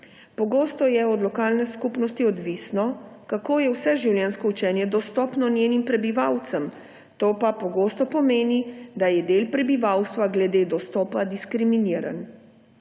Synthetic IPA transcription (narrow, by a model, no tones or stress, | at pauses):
pɔɡoːst̪ɔjɛɔd̪lɔkaːlnɛskupnɔst̪iɔd̪ʋisnɔkakoːjɛwsɛʒiwljɛnskɔut͡ʃɛnjɛd̪ɔst̪ɔːpnɔnjeːnimpɾɛbiʋawt̪səm | t̪oːpapɔɡoːst̪ɔpɔmeːnid̪ajɛd̪eːlpɾɛbiʋawst̪ʋaɡlɛd̪eːd̪ɔst̪ɔːpad̪iskɾiminiːɾa̰n